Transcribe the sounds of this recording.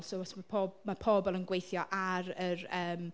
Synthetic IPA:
lˠsowɔtʰmapʰɔmapʰɔːbɔlˠənɡwejθjɔʔaɾərəːm

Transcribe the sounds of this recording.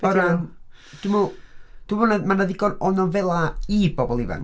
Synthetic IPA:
əɾa | d̥umud̥uvɔnamanaðiɡɔnɔnɔnvɛlˠaib̥ɔbɔlˠiva̰n

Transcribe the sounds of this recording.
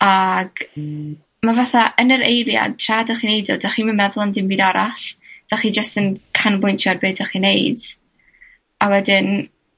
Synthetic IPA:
aɡ̥ | mavaθaʔənəɾejlˠja̰d̚tʰradaχinejdɔdaχimənmɛðlˠandɪmbiːdɔɾaɬd̥aχid͡ʒəstənkʰanbʊjntʰarbɨːdaχinejd̥ | awɛdɪn

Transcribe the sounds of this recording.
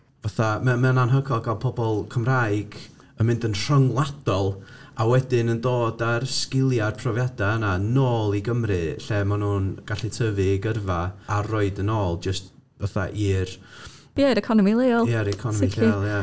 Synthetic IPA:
vaθamamɛnanɦəɡʰɔlˠɡalˠpʰɔbɔlˠkʰəmrajɡ̥ | əmɪ̃ndənr̥əŋlˠad̥ɔlˠawɛdɪnəndoːdarskɪlˠjarpʰrɔvjadaənanoːlˠiɡəmrɨɬɛmanuːnɡ̥aɬɛtʰəvɨɡərvaːroɨdənoːlˠd͡ʒəst | vaθa̰ʔiːr | bjaɾɛkʰɔnɔmilˠeːɔlˠjaɾɛkʰɔnɔmiɬelˠja

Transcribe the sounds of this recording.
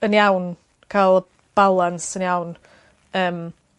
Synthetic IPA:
ənjawn | kʰalˠə | b̥alˠansənjawn | əːm

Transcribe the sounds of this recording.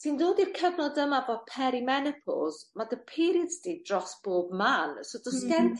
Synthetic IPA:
sindoːdirkʰəvnɔdəmavod̚pʰɛɾimɛnɛpʰɔ̰lˠz̥madəpʰiɾiədsd̥idrɔsb̥oːbmansodɔskɛntʰ

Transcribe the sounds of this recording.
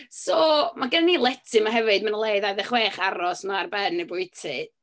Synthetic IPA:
sɔːmaɡənaniːlˠɛtʰɨmaɦɛvɨdmanəlˠeɨðajðɛχweːχaɾɔsmarbɛnːebʊɨtʰɪ

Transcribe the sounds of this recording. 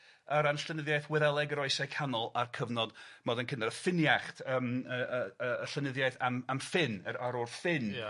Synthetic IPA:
əɾanslənɪðjajθwɛðɛlˠɛɡəɾɔɨsajkʰanɔlˠarkʰəvnɔdmɔdənkʰɪndaɾəfɪnjaχtʰəːməəəːɬənɪðjajθamamfɪnəɾaɾɔrfɪn

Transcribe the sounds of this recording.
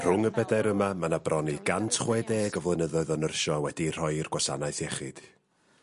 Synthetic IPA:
r̥ʊŋəbɛdajɾəmamanabrɔniɡantʰχweːdeːɡɔvlˠənəðɔðɔnərʃɔwɛdir̥ɔɨrɡwasanajθjɛχɪd̥

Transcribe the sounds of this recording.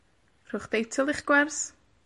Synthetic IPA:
r̥ʊχd̥ejtʰɪlˠɪχɡ̥wɛrs

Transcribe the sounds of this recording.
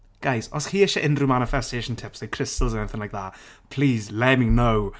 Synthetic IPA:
ɡ̥ajsɔskʰiːɪʃəʔɪ̃ndrumanɪfɛstʰeːʃə̃ntʰɪpsaɪkʰr̥ɪstəlˠzɛnɛnɪθɪ̃ŋlajk̚ðaʔpʰl̥iːzlemɪ̃ŋnow

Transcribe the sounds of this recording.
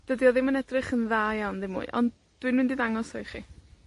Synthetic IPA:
d̥ədiɔðɪmənɛdrɪχənðaːjawnðɪmːṵːɨʔɔ̰nd | d̥wiɨnmɪndiðaŋɔsɔjχḭ

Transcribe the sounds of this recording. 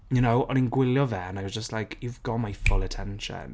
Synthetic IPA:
jənoʊʔɔnĩnɡwɪljɔðɛə̃naɪwɒzd͡ʒəstlaɪkʰjuvɡɔʔmaɪfʊlˠətʰɛ̃nʃə̰̃n

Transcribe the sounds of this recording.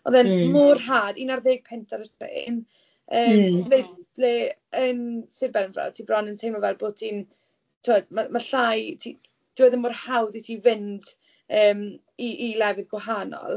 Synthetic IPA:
ɔðɛnmʊrɦaːdiːnarðeːɡ̚pʰɛntʰaɾətʰrḛn | əːmðejb̥leənsɪbɛlənvra̰̥tʰibrɔnəntʰejmɔvɛlˠboːtʰin | tʰuadmamaɬajtʰi | d̥wəðənmʊrhawðitʰivɪnd | əːm | iʔːlˠɛvɪðɡwɛɦanɔ̰lˠ

